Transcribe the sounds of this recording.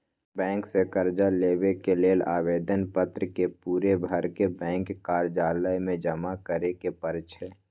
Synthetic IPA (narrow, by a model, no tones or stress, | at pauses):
bɛ̃ːŋksekəɾd͡ʒaleːwekeleːlaːʋeːd̪ənpət̪ɾəkepuːɾebʱəɾkebɛ̃ːŋkːaːɾd͡ʒaːləjmẽd͡ʒəmakəɾekepəɾt͡ʃʰeː